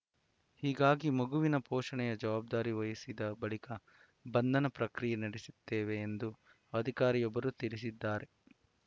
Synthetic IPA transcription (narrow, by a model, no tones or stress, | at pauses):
hiːɡaːɡimɐɡuʋinɐpɔːʂɐɳɛjɐd͡ʒɐʋaːb̚d̪aːɾiʋɐjɐsid̪ɐbɐɭikɐ | bɐnd̪ʱɐnɐpɾɐkɾijɐnɐɽisit̪ːeːʋe̞ːnd̪u | ɐd̪ʱikaːɾijɔbːɐɾut̪iɭisid̪ːaːɾe̞